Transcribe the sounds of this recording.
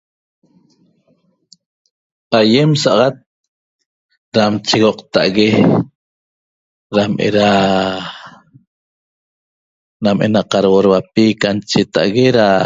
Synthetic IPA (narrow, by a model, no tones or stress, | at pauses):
ajemsaʔɑʁɑt̪̚ | ɾamt͡ʃiɣoqt̪a̰ʔaɣe | ɾamʔḛɾa | namʔḛnaqɑɾwoɾwapikant͡ʃet̪a̰ʔɣeɾa